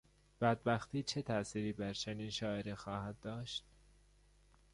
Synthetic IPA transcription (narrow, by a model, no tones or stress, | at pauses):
b̥æd̪̚bæxt̪ʰiːt͡ʃʰe̞t̪ʰæʔsiːɾiːbæɾt͡ʃʰeniːnʃɒːeɾexɒːhæd̪̚d̪ːɒːʃt̪̚